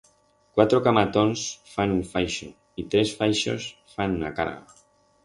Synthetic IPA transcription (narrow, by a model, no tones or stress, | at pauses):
kwat̪ɾokamat̪onsfanuɱfajʃo | it̪ɾesfajʃo̰s | fanuna̰ka̰ɾɣa̰